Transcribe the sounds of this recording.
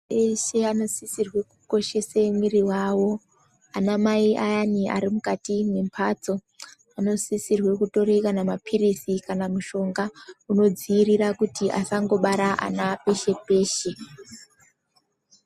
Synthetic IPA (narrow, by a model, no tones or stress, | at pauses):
eʃe̞ano̞sisirwe̞kuko̞ʃe̞semwiriwaːwo̞ | anamaiʔajaniʔa̰ɾimukatimwempʰaːt͡so | ano̞sisirwe̞kuto̞ɾekanamapʰirisikanamuʃo̞ŋɡauno̞d͡ziːrirakutiʔa̰saŋɡo̞ɓaɾaʔa̰nape̞ʃe̞pe̞ːʃe